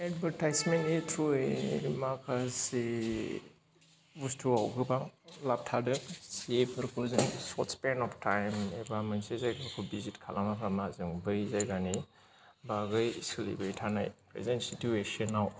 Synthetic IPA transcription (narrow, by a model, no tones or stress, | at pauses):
ɛdbəɾtajsmentit̪ʰɾuemakʰase | bustʰuawɡɯbaŋlap̚tʰadɯsiepʰɯɾkʰuzɯŋsɔtspenɔpʰtʰajmebamansezajɡaɾkʰubizitkʰalamapʰamazɯŋbɯjzajɡani | baɡɯjsɯlḭbɯjtʰana̰jpʰɾḛzensituesɔnːaw